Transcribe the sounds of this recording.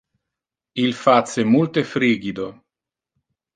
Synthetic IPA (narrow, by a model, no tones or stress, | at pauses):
ilfat̪semult̪efɾiːɡid̪o